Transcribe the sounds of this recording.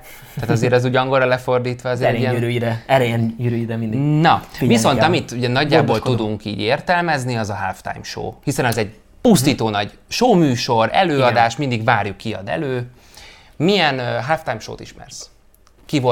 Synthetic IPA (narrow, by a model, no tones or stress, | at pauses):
t̪aːt̪ɒzeːɾɛzuːɟɒŋɡo̞rɒlɛfo̞rd̪iːt̪ʋɒɒzeːɾɛiɛɾøjiɾɛɛɾɛɛjyɾøjiɾɛmind̪inɒviso̞nɒmit̪uɟɛnɒɟːaːbolud̪uŋkḭːɟeːrt̪ɛlmɛzniɒzɒɦaft̪a̰jmʃo̰ːhisɛnɒzɛɟ | pust̪iːt̪oːnɒɟ | ʃoːmyːʃo̞ɾɛ̰løːɒd̪aːʃt̪mind̪iɡʋaːrjukːiɒ̰d̪ɛ̰løː | mijɛnɦaːft̪ajmʃo̰ːt̪iʃmɛ̰rs | kivo